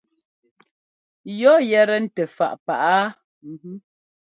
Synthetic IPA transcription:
jɔ˦jɛ˨ɾɛ˨n̩˦tɛ˨fa̰˨ʔpa˨ʔa˦ | m̩˨u˦

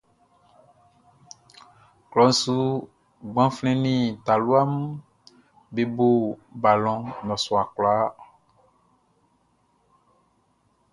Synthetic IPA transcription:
klɔ˨n̩˦su˦ | ɡ͡bã˦flɛ̃˦nĩ˦t̪a˨lu˦a˦m | be˨bo˦ba˨lɔ̃˨nɔ̃˨sɔ˨a˨klɔ˨a˦

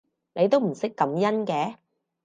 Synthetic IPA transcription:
ne˨˧jt̪o˥wm̩˨˩sɪ˥kːɐ˨˥mjɐ˥nkɛː˨˥

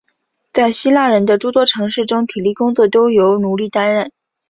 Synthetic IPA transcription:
t͡sa˥˩ɪɕi˥la˥˩ɻə˧˥nd̪ə˧ʈ͡ʂu˥t̪wɔ˥ʈ͡ʂʰɤ˧˥ŋʂɻ̩˥˩ʈ͡ʂʊ˥ŋt̪ʰi˨˩li˥˩kʊ˥ŋt͡swɔ˥˩t̪o˥ʊjo˧˥ʊnu˧˥li˥˩t̪a˥nɻə˥˩n

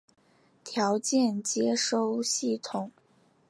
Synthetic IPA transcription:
t̪ʰjɑ˧˥ʊt͡ɕjɛ˥˩nt͡ɕjɛ˥ʂo˥ʊɕi˥˩t̪ʰʊ˨˩˦ŋ

